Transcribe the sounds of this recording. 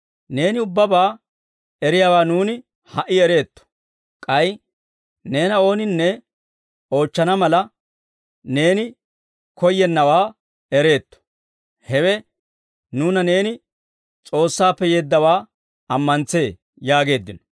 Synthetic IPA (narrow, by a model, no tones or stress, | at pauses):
ne̞ːnɪʊbːɐbaː | ɛɾɪjaːwaːnuːnɪ | hɐʔɪɛɾe̞ːt̪ːɔ̥ | kʼɐj | ne̞ːnɐo̞ːnɪnːɛ | o̞ːt͡ʃːɐnɐmɐlɐ | ne̞ːnɪ | kɔjːɛnːɐwaː | ɛɾe̞ːt̪ːɔ̥ | hɛwɛ | nuːnɐne̞ːnɪ | t͡sʼo̞ːsːaːpːɛjeːd̪ːɐwaː | ɐmːɐnt͡se̞ː | jaːɡe̞ːd̪ːɪnɔ̥